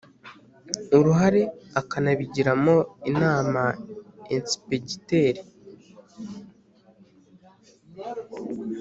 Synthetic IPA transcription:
uɾuɦaɾe̞akanaβiɟiɾamo̞inaːmaensi̥peɟiteɾi

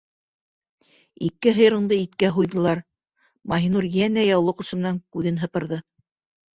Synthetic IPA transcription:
ikːɘɦɤ̆j̆ɾɤ̆ɴd̪ɤit̪kæɦujðɤ̆lˠɑɾ | mɑɦinuɾjænæjɑwlˠɤqɤ̆sɤ̆mɘ̆næŋkʉðɘnɦɤ̆pɤ̆ɾðɤ

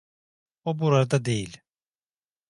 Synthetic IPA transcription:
obuɾaɾad̪ad̪ejilʲ

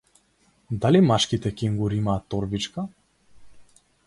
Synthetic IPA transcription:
d̪alimaʃkit̪ɛkʲɛimɡuɾimaːt̪ːɔɾbit͡ʃka

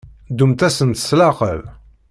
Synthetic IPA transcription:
d̪umt̪æsənt̪ə̥slɑqəl

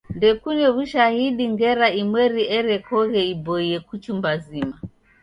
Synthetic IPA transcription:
ndɛkunɛβuʃahiɗiŋɡɛɾaimwɛɾiʔɛɾɛkɔɣɛibɔiɛkut͡ʃumbazima

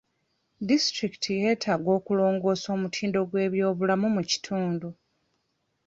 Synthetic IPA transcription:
distɾiki̥tʰije̞ːtʰaːɡo̞ːkulo̞ːŋɡo̞ːso̞ːmutʰiːndo̞ɡwe̞ːβjo̞ːβulamumuci̥tʰuːndu

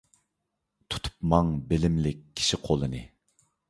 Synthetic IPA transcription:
t̪ʰu̥t̪ʰu̥pmɑŋbɪlɪmlɪk̚ʲʰːi̥ʃiqʰolˠɨnɨ

